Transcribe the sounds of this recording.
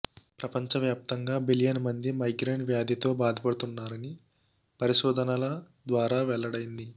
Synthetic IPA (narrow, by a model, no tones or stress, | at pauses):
pɾɐpɐɲt͡ʃɐʋjaːp̚t̪ɐŋɡaːbiljɐnmɐnd̪imɐjɡɾeːɳʋjaːd̪ʱit̪o̞ːbaːd̪ʱɐpɐɽut̪unːaːɾɐni | pɐɾiʃɔːd̪ʱɐnɐlɐ | d̪ʋaːɾaːʋɛɭːɐɽɐjind̪i